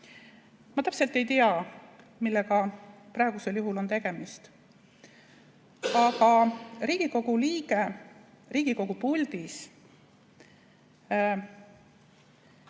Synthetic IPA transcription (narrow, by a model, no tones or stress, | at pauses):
mɑt̪æpse̞lt̪ːˑe̞jt̪iɑ | milːeɡ̥ɑprɑe̞ɡ̥use̞ljuɦulo̞nt̪e̞ɡ̥e̞mist̪ | ɑɡ̥ɑɾiːɡ̥iko̞ɡ̥uliːɡ̥e̞ | riːɡ̥iko̞ɡ̥upulʲd̪̥is